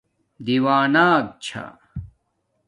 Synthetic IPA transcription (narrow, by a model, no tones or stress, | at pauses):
d̪iwaːnaːk̚t͡ɕʰa̰